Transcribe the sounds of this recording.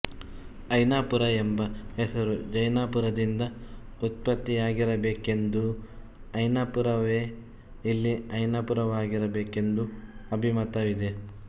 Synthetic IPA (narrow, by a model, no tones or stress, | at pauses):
ɐjnaːpuɾɐembɐɦesɐɾud͡ʒɐjnaːpuɾɐd̪ind̪ɐ | ut̪̚pɐt̪ːijaːɡiɾɐbeːke̞nd̪u | ɐjnaːpuɾɐʋeː | ilːiɐjnaːpuɾɐʋaːɡiɾɐbe̞ːke̞nd̪uɐbʱimɐt̪ɐʋid̪e